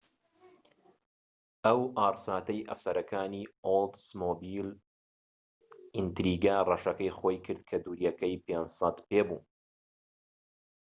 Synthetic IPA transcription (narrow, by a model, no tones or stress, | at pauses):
ʔɐwʔaːɾsaːt̪ɐjʔɐ̰fsɐɾɐkʰaːniːold̪smoːbil | int̪ɾiːɡarɐʃɐkɐjχojkʰɨɾd̪̚kʰɐd̪uːɾjɛkɐjpeːnsɑt̪peːbuːn